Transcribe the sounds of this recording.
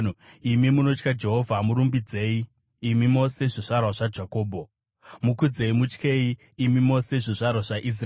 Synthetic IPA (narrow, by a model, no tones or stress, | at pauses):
imimuno̞t͡ʃkad͡ʒe̞ɦo̞vʱamuɾumbid͡ze̞ːiː | mimo̞se̞ʐiʐarwaʐad͡ʒako̞ːbʱo̞ | mukud͡ze̞imut͡ʃke̞iː | mimo̞se̞ʐiʐarwaʐaʔis̬r